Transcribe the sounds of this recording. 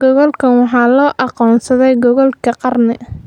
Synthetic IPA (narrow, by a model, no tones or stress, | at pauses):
ɡɔɣɔlkʰɐnwɑħɑːlɔːʔɑqɔːnsɐðɛjɡɔɣɔlkʰɐqɑrnɪ